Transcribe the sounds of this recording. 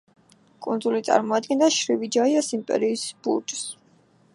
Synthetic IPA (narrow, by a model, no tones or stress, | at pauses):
kʼund̪zulit̪sʼa̰ɾmɔad̪̚ɡɛnd̪aʃɾivid͡ʒaiasimpʼɛ̰ɾiːsb̥ṵɾt͡ʃʼs